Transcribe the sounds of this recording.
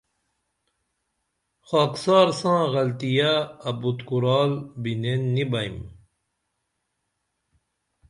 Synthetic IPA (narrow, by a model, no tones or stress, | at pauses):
xaːksɑːɾsãːɣɐlt̪ijaːbut̪kuɾaːlbinenːibɐjm